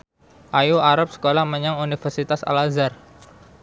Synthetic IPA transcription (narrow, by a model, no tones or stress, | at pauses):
ʔajuaɾap̚sə̥kolahməɲaŋunifərsit̪asa̰lazar